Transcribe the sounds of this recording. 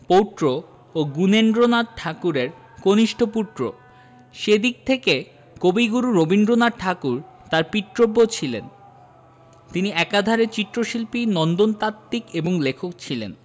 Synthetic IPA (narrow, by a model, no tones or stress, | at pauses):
powʈɾo | oɡunenɖɾonaɖ̚ʈʰakuɾeɾ | koniʃʈʰopuʈ̪ːɾo̰ | ʃed̪ik̚t̪ʰeke | kobiɡuɾuɾobinɖɾonaʈʰakuɾ | t̪aɾpiʈ̪ɾobːot͡ɕʰilḛn | t̪iniɛkad̪ʱaɾet͡ɕit̪ːɾoʃilpinɔnd̪ont̪at̪ːikeboŋlekʰok̚t͡ɕʰilḛn